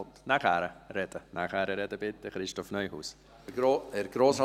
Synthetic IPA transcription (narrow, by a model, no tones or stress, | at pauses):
t̪naχɛːɾəɾɛd̥ənaχhɛɾəɾɛd̪əbɪt̪ːəχɾɪʃtɔfnœʏhṵːs | ɛɾɡɾoːs